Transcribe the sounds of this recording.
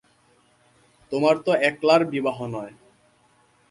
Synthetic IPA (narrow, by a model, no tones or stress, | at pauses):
t̪omaɾt̪oɛklaɾbibaɦonɔe